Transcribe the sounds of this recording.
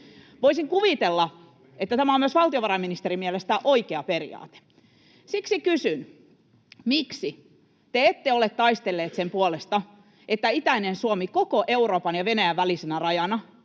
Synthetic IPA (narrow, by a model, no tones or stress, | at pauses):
ʋoisiŋkuʋit̪elːɑ | et̪ːæt̪æmæomyøsʋɑlt̪ioʋɑɾɑiminist̪eɾimiɛlest̪æʔoikeɑperḭɑ̰ːt̪e̥ | siksikysyn | miksi | t̪eet̪ːeolet̪t̪ɑist̪elːeːt̪sempuolest̪ɑ | et̪ːæit̪æinensuomikokoʔeuroːpɑnjɑʋenæjæʋʋælisenærɑjɑnɑ